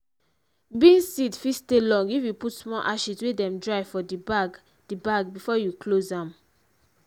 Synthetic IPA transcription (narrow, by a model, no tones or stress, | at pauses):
bĩnsidfistelɔ̃ŋɡifjuputsmɔʔaʃizwedɛ̃mdɹaɪfɔdibaɡ | d̥ibaɡbifɔjuklozãm